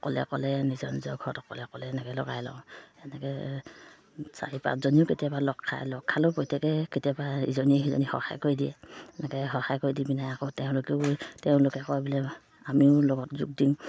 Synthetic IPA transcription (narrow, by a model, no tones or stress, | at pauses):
kɔlɛ̰kɔlɛnizɔnzɔɡʱɔtɔkɔlɛkɔlɛːnɛkɛlɔɡa̰jlɔ̰ʊ̃ɛnɛkɛ | sa̰ɹipa̰tzɔniʊketijabalɔkʰːa̰jlɔkʰːalopojtʰɛkɛketijabaḭzɔniizɔ̰nihɔ̰ha̰jkoɹidiɛ̰ɛnɛkɛɦɔhajkoɹidibinajakɔtɛʊ̃lʊkɛʊtɛʊ̃lʊkɛkɔbilɛ | amiʊlɔɡɔtzṵk̚diŋ